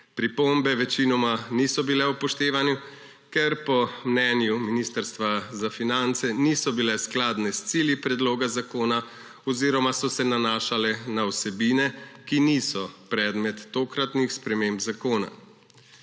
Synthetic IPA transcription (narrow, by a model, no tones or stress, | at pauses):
pɾipombɛʋɛt͡ʃiːnɔmanisɔbilɛupɔʃt̪eːʋanju | kɛɾpɔmnɛːnjuminiːst̪əɾst̪ʋazafinant̪sɛniːsɔbilɛsklaːd̪nɛst̪siːljipɾɛd̪loːɡazakoːna | ɔziːɾɔmasɔsɛnanaːʃalɛnawsɛbiːnɛkiniːsɔpɾɛːd̪mɛt̪ːoːkɾat̪nixspɾɛmembzakoːna̰